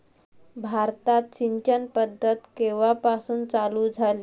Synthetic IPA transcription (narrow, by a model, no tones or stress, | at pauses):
bʱaɾt̪at̪ɕiɲt͡ɕənpəd̪ʱːət̪keʋapasuːnt͡salud͡zʱali